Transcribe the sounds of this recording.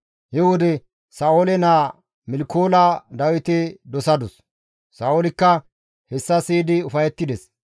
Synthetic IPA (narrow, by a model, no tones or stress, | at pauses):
hɪwɔd̪ɛ | sɐoːlɛnaː | mɪlkoːlad̪ɐwɪt̪ɪd̪ɔsɐd̪ɔsː | aːʔoːlɪkːɐ | hɛsːɐsiːd̪ɪʊfɐjɛt̪ːɪd̪ɛs